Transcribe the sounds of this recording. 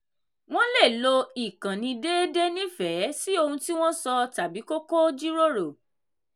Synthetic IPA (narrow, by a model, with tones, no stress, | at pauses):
w̃ɔ̃˦le˦˨lo˧i˨kã˨nĩ˧de˦de˦nĩ˦fɛ˨˦si˦o˧hũ˧ti˦w̃ɔ̃˦sɔ˧ta˨bi˨˦ko˦ko˦d͡ʒi˦ɾo˦ɾo˨